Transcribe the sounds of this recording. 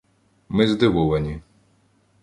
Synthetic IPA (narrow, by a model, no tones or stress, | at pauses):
mɪzd̪ɪʋɔʋɐnʲi